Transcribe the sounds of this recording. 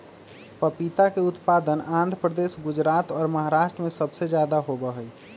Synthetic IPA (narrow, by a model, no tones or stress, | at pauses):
pəpit̪akeʊt̪paːd̪ənãːnd̪ʱɾəpɾəd̪esɡʊd͡ʒɾaːt̪ɔːɾməɦaɾaʃʈɾəmẽsəbsed͡ʒjaːd̪aɦobəɦəj